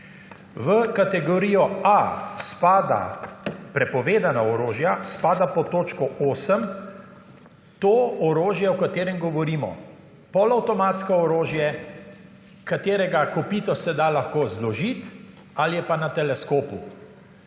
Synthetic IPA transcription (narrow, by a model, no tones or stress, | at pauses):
ʋəkat̪ɛɡɔɾiːjɔaspaːd̪a̰pɾɛpɔʋeːd̪anaɔɾoːʒjaspaːd̪apɔt̪oːt͡ʃkɔoːsəm | t̪oːɔɾoːʒjɛɔkat̪eːɾɛmɡɔʋɔɾiːmɔ̰ | pɔlawt̪ɔmaːt̪skɔɔɾoːʒjɛ | kat̪eːɾɛɡakɔpiːt̪ɔsɛd̪alaxkoːzlɔʒit̪ | aljɛpanat̪ɛlɛskoːpu